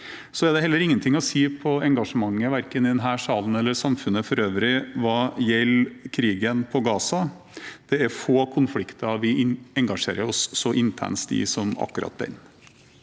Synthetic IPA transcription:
sɔæd̪ɛhɛlːəɾɪŋːənt̪ʰɪŋːɔsiːpʰɔɛŋɡɑʂəmɑŋːəʋæɾkənɪd̪ɛnɦæːʂɑːln̩ɛlːəsɑmfʉnːəfɔɾøːʋɾɪʋɑːjɛlkʰɾiːɡənpʰɔɡɑːsɑ | d̪̥ɛæɾfoːkʰʊnflɪkt̪ɑʋɪɛŋɡɑʂḛːɾəɾɔsːɔʔɪnt̪ʰæ̰ɳst̪ḭːsɔmɑ̰kːʉɾɑ̰t̪̚b̪ɛ̰n

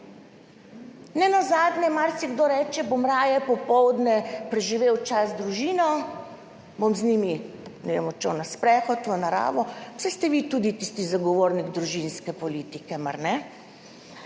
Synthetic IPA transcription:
nɛnazaːd̪nʲɛmaɾsiɡd̪oɾɛːt͡ʃɛbomɾaːjɛpɔpɔwd̪nɛpɾɛʒiʋeːwt͡ʃazd̪ɾuʒiːnɔ | bomzniːmi | nɛʋḛmɔt͡ʃownaspɾɛxɔt̪ʋənaɾa̰ːʋɔwsɛst̪ɛʋit̪ud̪it̪ist̪izaɡɔʋoːɾniɡd̪ɾuʒinskɛpɔliːt̪ikɛmaɾnɛ

